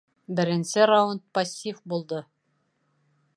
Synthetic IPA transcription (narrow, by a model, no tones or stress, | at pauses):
bɘ̆ɾɘ̆nsɘɾawunt̪̚pɐsʲːifbulˠd̪ɤ